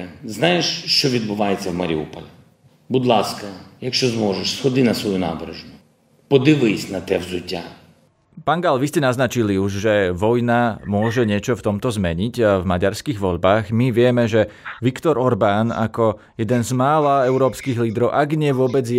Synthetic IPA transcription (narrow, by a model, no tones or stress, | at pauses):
znajeʃʃt͡ʃɔʋʲid̪bʊʋajet͡sʲːɐwmɐɾʲiupɔlʲi | bud̪lˠaskɐjakʃt͡ʃɔzmɔʒɛʃsxɔd̪ɪnɐsʋɔjuna̰ːbɾeʒnʊ | pɔd̪ɪʋɪsʲnɐt̪ɛwzʊtʲːa | paːnɡalʋiscɛnaznat͡ʃiliuʒʒɛʋɔjnamʊɔʒɛɲɪɛt͡ʃɔft̪ɔmt̪ɔzmɛɲiɟvmaɟaɾskiɣʋɔʎbaːɣmiʋɪɛmɛʒɛʋikt̪ɔɾɔɾbana̰kɔ | jɛd̪ɛnzmaːlaɛʊɾɔːpskiɣliːd̪ɾɔʊʔaɡɲɪɛʋʊɔbɛd͡z